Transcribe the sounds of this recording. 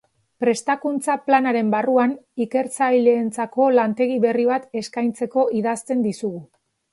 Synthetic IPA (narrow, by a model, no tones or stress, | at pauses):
pɾe̞st̪akunt͡saplanaɾe̞mbaruanike̞ɾt͡sajleːnt͡sako̞lant̪e̞ɣ̞iβe̞riβ̞at̪e̞skajnt͡se̞ko̞iðast̪e̞nd̪isuɣu